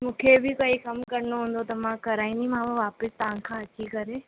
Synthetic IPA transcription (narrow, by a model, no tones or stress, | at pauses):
mũːkʰebʱɪkɐːikɐmkɐɾɪnoɦũːn̆d̪ot̪ɐmãkɐɾaːĩnd̪imãm̃ʋaːpɪst̪ɐʋãkʰãːɐtʰikɐɾe